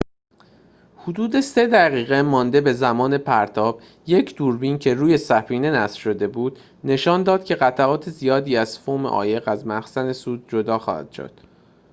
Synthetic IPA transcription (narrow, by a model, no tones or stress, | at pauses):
hud̪uːd̪e̞se̞d̪æʁiːɣe̞mɒːnd̪e̞be̞zæmɒːne̞pʰæɾt̪ʰɒːb̥ | je̞cʰd̪̥uɾbincʰe̞ɾuːje̞sæfiːne̞næsfʃo̞d̪e̞buːd̪̥ | ne̞ʃɒːnd̪ɒːd̪̥̚cʲʰe̞ɣæt̪ʰæɒːt̪ʰe̞zijɒːd̪iːæz̥fomḛʔɒ̰ːje̞ɣæzmæxsæne̞suːd̪̚d͡ʒo̞d̪ɒːxɒ̰ːhæ̰d̪̥ʃo̰d̪̥